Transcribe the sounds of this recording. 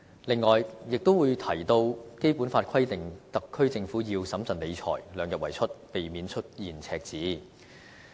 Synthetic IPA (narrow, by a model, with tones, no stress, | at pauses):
lɪ˨ŋːɔː˨jjɪ˨k̚t̪o˥wuː˨˧jt̪ʰɐ˨˩jt̪o˧wke˥jpuː˨˥nfaː˧t̚kʰɐ˥jt̪ɪ˨˩ŋt̪ɐ˨kʰːɵ˥ɥt͡sɪ˧ŋfuː˨˥jiː˧wsɐ˨˥mt͡sɐ˨nle˨˧jt͡ʃʰɔ̰ː˨˩jlœː˨˧ŋjɐ˨wɐ˨˩jt͡ʃʰɵ˥t̚pe˨˩jmiː˨˧nt͡ʃʰɵ˥t̚jiː˨˩nt͡sʰɛː˧k̚t͡siː˨˥